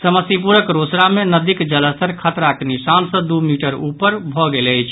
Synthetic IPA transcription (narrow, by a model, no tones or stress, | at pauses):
səməsip̬uɾəkɾosɾamenəd̪ikd͡ʒələst̪əɾkʰət̪ɾakenisansə̃d̪umiʈəɾupəɾbʱɔɡeləjt͡ʃʰ